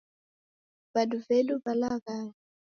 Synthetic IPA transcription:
baduvɛlubalaɡaŋ

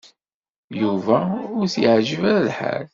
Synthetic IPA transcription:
juvæʊɾθjəʕʒəvæɾalħa̰l

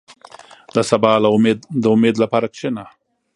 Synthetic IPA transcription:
d̪əsabɑːlamed̪d̪əʊmed̪lapɑːɾakʃena

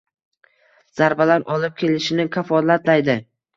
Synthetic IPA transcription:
z̥aɾbalaɾɒlɪp̚kʲʰe̞lɪʃɪnɪkʲʰafɒlat̪lajd̪ɪ

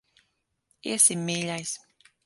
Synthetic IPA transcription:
ḛsemeʎajs

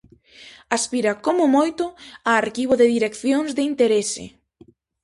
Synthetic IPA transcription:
aspiɾakomʊmojt̪ʊaaɾkiβ̞oðɪðiɾekθjoŋzðɪint̪eɾesɪ̰

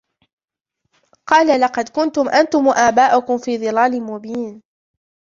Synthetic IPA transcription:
qɑːlalɑqɑd̪kʊnt̪ʊmʔant̪ʊmʔaːbaːʔʊkʊmfiːðˤɨlaːlɪmʊbiːn

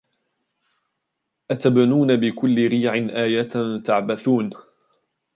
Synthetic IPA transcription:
ʔat̪abnuːnabɪkʊlːɪɾiːʕɪnʔaːjat̪nt̪aʕbaθuːn

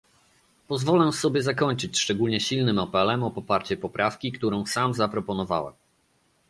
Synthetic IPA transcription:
pɔzvɔlɛsɔbʲjɛzakɔɲt͡ʂɘt͡ɕʂt͡ʂɛɡulɲɛɕilnɘmapɛlɛmɔpɔpaɾt͡ɕɛpɔpɾʔafkʲikt̪uɾɔ̃w̃samzapɾɔpɔnɔva̰wɛ̰m

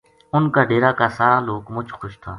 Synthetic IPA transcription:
ʊnkaːɖeːɾaːkaːsaːɾaːloːkmʊt͡ʃxʊʃt̪ʰa̰ː

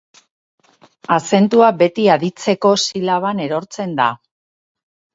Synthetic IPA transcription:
ase̞nt̪uabe̞t̪iaðit͡se̞ko̞silaβ̞ane̞ɾo̞ɾt͡se̞nd̪a

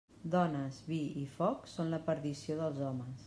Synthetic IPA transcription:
d̪ɔnəzβiifɔksonləpəɾðisioðəlˠzɔməs

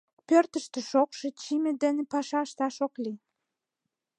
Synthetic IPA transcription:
pørt̪əʃt̪ĕʃokʃĕt͡ɕimĕd̪ĕnĕpɑʃɑʃt̪ɑʃokli

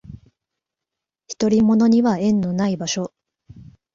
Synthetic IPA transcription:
çi̥t̪o̞ɾʲimo̞no̞ɲ̟iβaẽ̞nːo̞naibaɕo̞

